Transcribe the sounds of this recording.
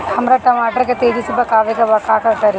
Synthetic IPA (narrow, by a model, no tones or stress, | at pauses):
hɐmɾɐʈːɐmaːʈɐɾɐɡet̪eːd͡ʒisub̪ːɐkaːʋiɡɐʋɐkaːkɐkɐɾi